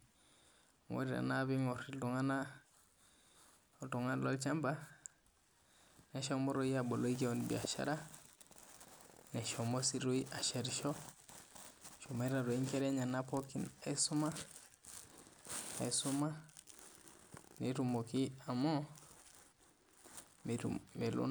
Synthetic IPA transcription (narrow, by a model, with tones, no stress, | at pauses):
ŋo̰˨ɾiɾa̰˨naβi˦ŋo˨ɾitu˨ŋa˦na˦ | otu˨ŋa˦lo˦lt͡ʃamba˦ | ne˨ʃo˦mo˦ɾoiabo˨lo˦i˦ke˦onibḭa˨ʃa̰˦ɾa˦ | ne˨ʃo˨mo˦siɾu˦iʔa˨ʃe˨ɾʃo˦ | ʃo˨me˦ɾa˨ɾo˨i˦ŋke˦ɾe˦ɲa˨napokina˨jsuma˦ | a̰˨isuma˦ | netumoki˦a˨mo˦ | me˨lṵ˦n